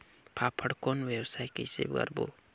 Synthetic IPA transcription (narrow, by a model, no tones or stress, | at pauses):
pʰapʰəɽkonʋjewsajkisḛbɡə̰ɾbo̰